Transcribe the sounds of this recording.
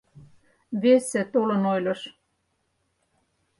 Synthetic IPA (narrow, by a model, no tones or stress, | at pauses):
βesĕt̪olɤ̆nojlʲɤʃ